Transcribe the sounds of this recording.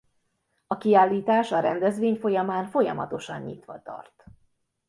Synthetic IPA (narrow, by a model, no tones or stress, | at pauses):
ɒkiaːlːiːt̪aːʃɒɾɛnd̪ɛzʋeːɲfo̞jɒmaːnfo̞jɒmɒ̰t̪o̞ʃɒɲɲḭt̪ʋɒ̰t̪ɒ̰rt̪